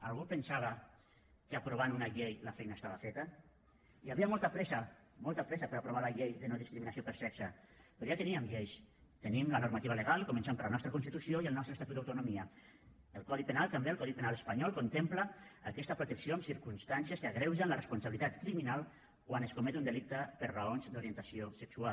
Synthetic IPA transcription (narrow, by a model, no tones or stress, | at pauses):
alˠɣupənsaβ̞ə | kəapɾoβ̞anunaʎejlafɛjnaest̪aβafet̪ə | iaβiamɔlˠt̪apɾɛsa | mɔlˠt̪apɾɛsapəɾapɾoβ̞alaʎejðənoðiskɾiminasiopəɾsɛksapɾoʒat̪əniəmʎejʃt̪ənimlənuɾmat̪iβələɣalˠkumənsempəɾlanɔst̪ɾəkunst̪it̪usioiəlˠnɔst̪ɾəst̪at̪ut̪awt̪unumiə | əlˠkɔðipenalˠt̪ambeəlkɔðipenalespaɲɔlˠkont̪emplaːkɛst̪əpɾut̪əksijoamsiɾkumst̪ansjəskəaɣɾɛwzənlərəspunsaβilit̪at̪kɾiminalˠ | kwanəskumɛt̪und̪əlik̚t̪əpəɾraonzd̪uɾiənt̪asiosəksua